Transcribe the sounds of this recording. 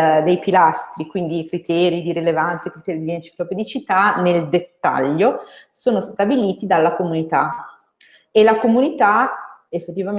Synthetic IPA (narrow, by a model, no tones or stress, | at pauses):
d̪ejpilast̪ɾikwind̪iːkɾit̪ʰɛːɾid̪iɾilevant̪saikɾit̪ɛːɾid̪ient͡ʃi̥kloped̪it͡ʃit̪aneld̪et̪ːa̰ʎːosoːnost̪abiliːt̪id̪alːakomunit̪a | elakomunit̪aefːet̪ːiva